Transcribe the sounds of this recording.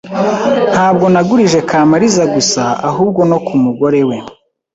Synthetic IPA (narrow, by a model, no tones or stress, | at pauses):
n̥haːb̚ɡo̞naɡuɾiʒe̞kaːmaɾizaɡusaaɦuːbɡo̞no̞kʰumuɡo̞ɾe̞we̞